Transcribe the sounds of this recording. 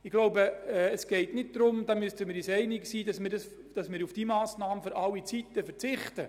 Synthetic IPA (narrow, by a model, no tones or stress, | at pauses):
ɪɡ̥loʊbəɛːsɡ̥ɛɪtnɪt̚d̥ɾʊmd̥ɑmystəmɪːɾysɛɪnɪksiːdɑsmɪːɾdɑs | d̥ɑsmɪːɾufd̥iːmɑːsnɑːmføɾʔɑlːit͡sitːəfəɾt͡sɪχtə